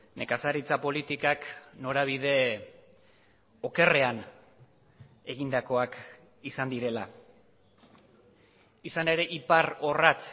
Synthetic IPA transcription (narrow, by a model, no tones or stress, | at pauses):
ne̞kasaɾit͡sapo̞lit̪ikakno̞ɾaβ̞ið̞e̞ | o̞ke̞re̞an | e̞ɣind̪ako̞ak | isand̪iɾe̞la | isane̞ɾe̞ʔiparo̞rat͡s